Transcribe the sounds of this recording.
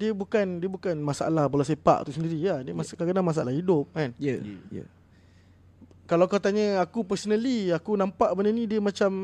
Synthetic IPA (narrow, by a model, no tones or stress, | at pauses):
diəbukandiəbukanmasaʔa̰lahbəlas̬əpa̰ʔt̪usəndiɾiladiəmaskaɡanaŋmas̬aʔa̰lahidʊp̚kan̰ | kalawkat̪aɲəakupəsonəliakunãmpaʔbənənĩdiəmat͡ʃam